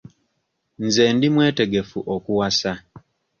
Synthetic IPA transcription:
nzeːndimweːte̞ɡe̞fuʔokuwasa

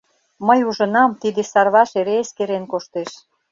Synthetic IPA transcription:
məjuʒə̆nɑmt̪id̪esɑrβɑʃeɾeːskeɾenkoʃt̪eʃ

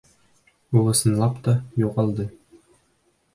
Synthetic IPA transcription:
uʁɤ̆sɤ̆nlˠɑpt̪ɑjuʁɑlˠd̪ɤ

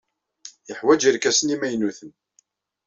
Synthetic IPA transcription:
jəħwæd͡ʒiɾkæsənimæjnuθən

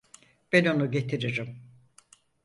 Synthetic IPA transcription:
b̥ɛno̞nuɟe̞t̪ʰiɾiɾim

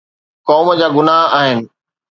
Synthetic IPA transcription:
kɔːmd͡ʑaːɡʊnaːɦaːɦɪnɪ̆

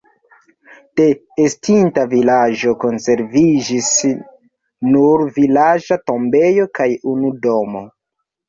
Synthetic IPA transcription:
te̞ː | stintavilad͡ʒo̞ko̞nse̞ɾvid͡ʒis | nuɾvilad͡ʒato̞mbe̞jo̞kajunudo̞mo̞

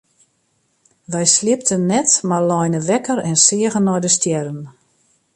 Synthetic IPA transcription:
ʋɛjslɪp̚tənːɛtmarlɔjnəʋɛkəɾɛnsɪəɣənːɔjdəstjɛɾən

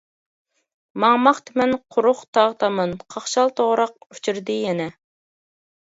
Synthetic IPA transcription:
mɑŋmɑχt̪ɪmɛnqʰʊɾʊχt̪ʰɑʁt̪ʰɑmɨnqʰɑχʃɑlˠt̪ʰoʁɾɑq̚y̥t͡ʃʰyɾd̪ɪjɛnɛ

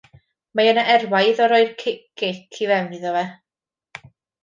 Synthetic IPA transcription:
majənaʔɛrwajðɔɾɔɨrkʰɪkːɪkʰivɛwniðɔvɛ

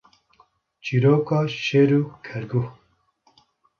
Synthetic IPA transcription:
t͡ʃiɾoːkɑːʃeːɾuːkʰɛɾɡu

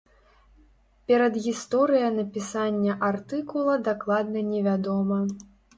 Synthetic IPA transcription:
pʲɛɾɐd̪ɣʲist̪ɔɾɨjɐnɐpʲisanʲːɐʔart̪ɨkulˠɐd̪aklˠad̪nɐnʲɛvʲad̪ɔmɐ

